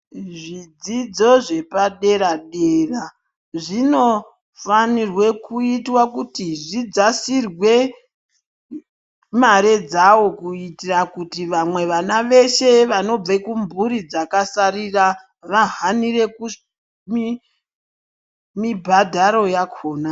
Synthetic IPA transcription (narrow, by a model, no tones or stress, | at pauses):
ʐid͡zid͡zo̞ʐe̞paɗe̞ɾaɗeːra | ʐino̞ | fanirwe̞kuitwakutiʐid͡zasirwe̞ | maɾe̞d͡zawo̞kuitirakutiʋamwe̞ʋanaʋe̞ʃe̞ʋano̞b͡vekumbuɾid͡zakasarira | ʋaɦanire̞ku | mi | mibʱadʱaɾo̞jakʰo̞ːna